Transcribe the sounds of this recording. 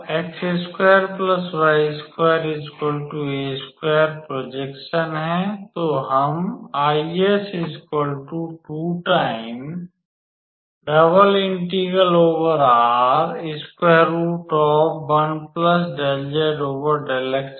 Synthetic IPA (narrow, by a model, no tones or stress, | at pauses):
ekseskweːjəɾpləsʋaɪskweːəɾɪzkɔːlʈueːskweːəɾpɾoːd͡ʒekʃənɦɛ̃t̪oːɦəmaːiesɪzkɔlʈuʈuːʈaːɪm | ɖɐbəlɪ̃ɳʈiɡəloːʋəɾaːɾɪskeːɾuʈɔːpbɐnpləsɖeld͡ʒeɖoːʋəɾɖeleks